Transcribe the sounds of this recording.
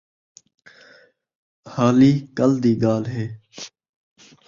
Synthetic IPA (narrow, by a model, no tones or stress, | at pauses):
haːliːkəld̪iːɡaːlɦeː